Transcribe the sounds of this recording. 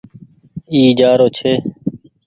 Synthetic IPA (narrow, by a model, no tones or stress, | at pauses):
iːd͡ʒaːɾoːt͡ʃʰeː